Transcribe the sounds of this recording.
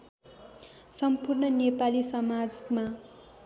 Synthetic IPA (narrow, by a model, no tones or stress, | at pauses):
sʌmpurnʌnepalisʌmad͡zma